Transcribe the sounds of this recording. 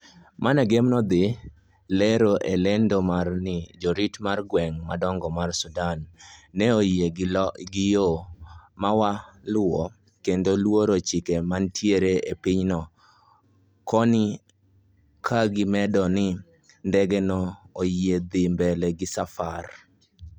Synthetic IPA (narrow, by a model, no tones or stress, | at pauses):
manɛɡemnɔd̪ɪ | lɛɾoʔelɛndomarnɪd͡ʒoɾitmarɡwɛŋmadɔŋɡɔmarsʊdanːɛojeɡɪjomawalʊɔ | kendolwoɾot͡ʃɪkemantʰjeɾeepɪɲnɔ | kɔnɪ | kʰaɡɪmɛdɔnɪ | ndɛɡɛnɔojed̪ɪmbɛlɛɡɪsafar